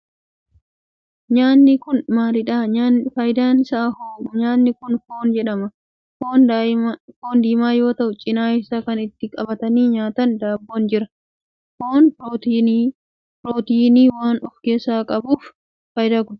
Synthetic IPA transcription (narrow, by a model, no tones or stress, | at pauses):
ɲaːnːɪkʊnmaːɾɪᶑaːfɐjd̪aːnɪsaːhoɲaːnːɪkʊnfoːnd͡ʒɛᶑɐmɐ | foːn | foːnd̪iːmaːjo̞ːt̪ɐʔʊt͡ʃʼɪnaːɪsakɐnɪt̪ːɪkʼɐbɐt̪ɐniːɲaːt̪ɐnd̪aːbːoːnd͡ʒɪɾɐ | foːn | pɾoːt̪iːniːwaːnɔfɡesaːkʼɐbuːf | fɐjd̪aːkʊd